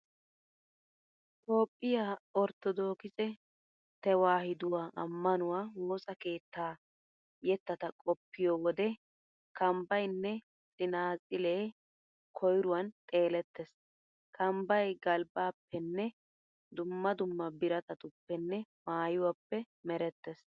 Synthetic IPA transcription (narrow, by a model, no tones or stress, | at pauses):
t̪o̞ːpʼːɪjaːɔɾt̪ɔd̪o̞ːkɪzɛ | t̪ɛwaːhɪd̪ʊwaːʔɐmːɐnʊwaːwoːsɐke̞ːt̪ːaː | jɛt̪ːɐt̪ɐkʼɔpːɪjɔwɔd̪ɛ | kʰɐmbɐjnːɛ | sʼɪnaːzʼɪle̞ː | kʰɔjɾʊwɐnt̪ʼe̞ːlɛt̪ːɛs | kʰɐmbɐjɡɐlbaːpʰːɛnːɛ | d̪ʊmːɐd̪ʊmːɐbɪɾɐt̪ɐt̪ʊpːɛnːɛmaːjʊwɐpːɛ | mɛɾɛt̪ːɛs